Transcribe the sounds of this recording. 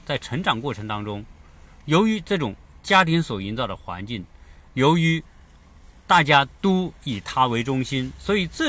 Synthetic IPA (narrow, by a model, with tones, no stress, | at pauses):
t͡sa˥˩ɪʈ͡ʂʰɤ˧˥ŋʈ͡ʂɑ˨˩ŋkwɔ˥˩ʈ͡ʂʰɤ˧˥ŋt̪ɑ˥ŋʈ͡ʂʊ˥ŋ | jo˧˥ʊy˧˥ʈ͡ʂɤ˥˩ʈ͡ʂʊ˨˩ŋt͡ɕja˥t̪ʰi˧˥nswɔ˨˩i˧˥nt͡sɑ˥˩ʊd̪ə˩xwa̰˧˥nt͡ɕi˥˩ŋjo˧˥ʊy˧˥ | t̪a˥˩t͡ɕja˥t̪o˥i˨˩t̪ʰa˥we˧˥ɪʈ͡ʂʊ˥ŋɕi˥nswɔ˧˥i˨˩t͡s̩˥˩